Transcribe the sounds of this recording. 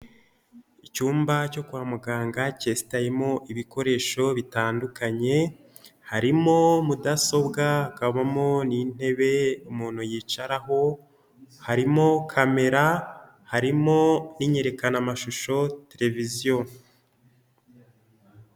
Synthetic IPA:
icuːmbaco̞kuwamuɡaːŋɡacesi̥tajemo̞ʔiβiko̞ɾe̞ːʃo̞βitaːndukaɲe̞ | haɾimo̞mudaso̞bɡakaβamo̞nin̥e̞βe̞umuːn̥hujiːt͡ʃaɾaɦo̞ | haɾimo̞kʰame̞ɾa | haɾimo̞niɲe̞ɾe̞kanamaʃuʃo̞te̞ɾe̞vizijo

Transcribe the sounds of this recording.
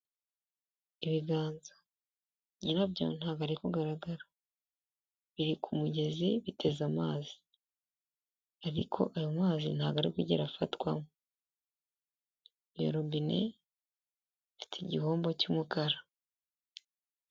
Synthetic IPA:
iβiɡaːnza | ɲinabɟaon̥haːɡaɾekuɡaɾaɡaɾa | βiɾikʰumuɟe̞ziβitʰe̞zamaːzi̥ | aɾḭkʰo̞̰ʔajomaːzin̥haɡaɾekuɟḛɾafatwamo | βjo̰ɾobine̞̰ | fi̥tʰeɟiho̞ːmbo̞cumukaɾa

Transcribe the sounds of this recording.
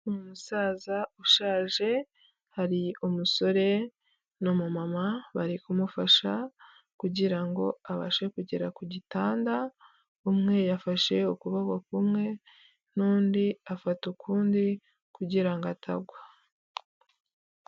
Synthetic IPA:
numusaːzauʃaːʒe̞ | haɾiumuso̞ɾe̞ | nomumamaβaɾikumufaʃa | kuɟiɾaŋɡo̞aβa̰ʃe̞kuɟe̞ɾakuɟitaːnda | umŋe̞jafaʃe̞ukuβaɡakumŋe̞ | n̥uːndiafatukʰuːndi | kuɟiɾaŋɡatʰa̰ɡwa

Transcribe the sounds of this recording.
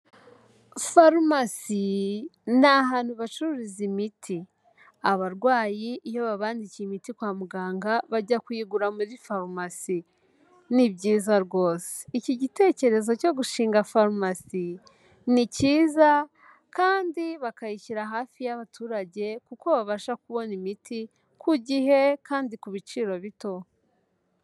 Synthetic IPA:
faɾumasi | naɦaːn̥huβat͡ʃuɾizimitʰi | aβaɾɡwaːjiʔːjo̞βaβaːndicimitikwaːmuɡaːŋɡaβaɟakwiːɡuɾamuɾifaɾmasi | niβɟiːzaɾɡo̞ːse̥iciɟite̞ːce̞ɾe̞zo̞co̞ɡuʃiːŋɡafaɾmasi | niciːza | kaːndiβakaiciɾaɦaːfijaβatʰuːɾaɟe̞kuko̞βaβaʃakuβo̞nimitʰi | kʰuɟihe̞kʰaːndikuβit͡ʃiːɾo̞βito̞

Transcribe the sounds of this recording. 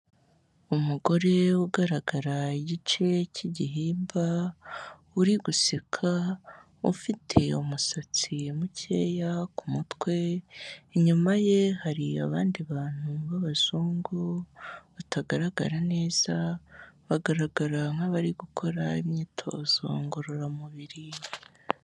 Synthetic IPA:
umuɡo̞ɾe̞uɡaɾaɡaɾaiɟit͡ʃe̞ciɟiɦiːmba | uɾiɡusikʰa | ṵfitʰe̞umusat͡simuce̞̰ːjakumutwe̞ | ɲumaje̞haɾia̰βaːndiβaːn̥huβaβaz̥uːŋɡuβutʰaɡaɾaɡa̰ɾane̞ːz̥aβaɡaɾaɡaɾaŋ̥aβaɾiɡukʰo̞ɾaimɲiːtʰo̞̰ːz̥o̰ŋɡoɾoɾamuβiɾi

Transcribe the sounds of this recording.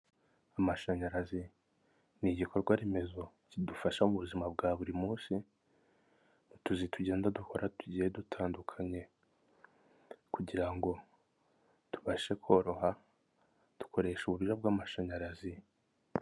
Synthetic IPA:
amaʃaɲaɾazi | niɟikʰo̞ɾɡwaɾeme̞zo̞ | cidufaʃamuβuzimabɡaːβuɾimuːnsi | nituzituɟe̞ːndaduko̞ɾʔatuɟiːjedutʰaːndukʰaɲe̞ | kuɟiɾaŋɡo̞ | tu̥βaʃe̞kʰo̞ɾo̞ɦa | d̥u̥kʰo̞ɾe̞ːʃuβuβiʒabɡaːmaʃaɲaɾazi

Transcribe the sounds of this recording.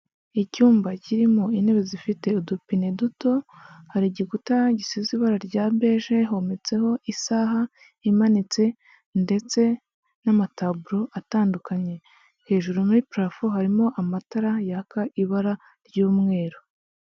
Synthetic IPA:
icuːmbaciɾimo̞ine̞βezifite̞udupineduto̞haɾiɟieɡutaɟisiziβaɾaɾɟaːbeːʒe̞ɦo̞met͡se̞ho̞ʔisaːɦa | imanit͡se̞ | nde̞t͡se̞ | namatabuɾo̞ʔataːndukaɲe̞ | he̞ːʒuɾumuɾipɾafoɦaɾimo̞ʔamataɾajakaʔiβaɾa | ɾɟuːmŋe̞ːɾo

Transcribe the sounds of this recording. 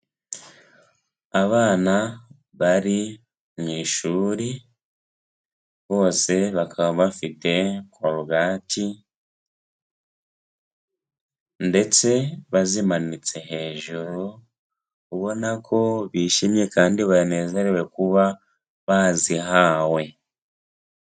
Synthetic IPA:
aβaːna | βaɾi | mŋiːʃuːɾi | βo̞ːse̞βakʰaβaβafite̞kwaɾuɡaːtʰi | nde̞t͡se̞βazimanit͡se̞ɦe̞ːʒuɾu | uβo̞nakʰo̞βiːʃimje̞kaːndiβane̞ːze̞ɾewe̞kuβa | βaziɦaːwe̞

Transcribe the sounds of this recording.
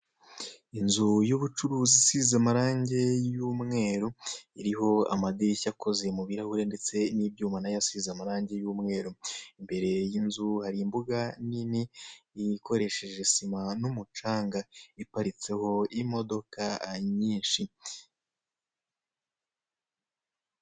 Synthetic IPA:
inzujuβut͡ʃuɾuːzisizamaɾaːɲɟe̞juːmŋe̞ːɾoiɾiho̞a̰madiɾicako̞ze̞muβiɾahuɾe̞nde̞t͡se̞niːbɟuːmanajasizamaɾaːɲɟe̞juːmŋe̞ːɾoimbe̞ɾe̞jinzuhaɾimbuɡaniniikʰo̞ɾe̞ʃe̞ʒesimanumut͡ʃaːŋɡaipaɾit͡se̞ho̞imo̞do̞kaɲiːnʃi

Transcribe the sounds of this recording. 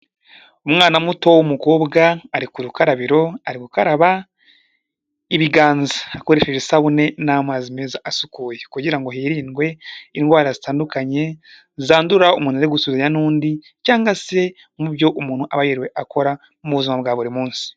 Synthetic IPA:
umŋaːnamuto̞wumuko̞ːbɡaːɾikuɾukaɾaβiɾo̞aɾikukaɾaβa | iβiɡaːnzaako̞ɾe̞ːʃeʒesaβune̞namazime̞ːzaʔasukuːje̞kuɟiɾaŋɡo̞ɦiɾiːnɡwe̞inɡwaːɾazitaːndukaɲe̞ | zaːnduɾaumuːnaeɡusuzeɲanuːndi | caːŋɡase̞ | mubjo̞ʔumuːn̥huʔaβajiɾwe̞ʔakʰo̞ɾa | mmuβuzimaβɡaːβuɾimuːnsi̥

